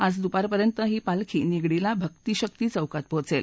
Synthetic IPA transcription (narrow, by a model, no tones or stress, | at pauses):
ad͡zd̪upaɾpəɾjənt̪əɦiːpalkʰiːniɡɽilabʱəkt̪iːɕək̚t̪iːt͡səwkat̪̚pot͡sel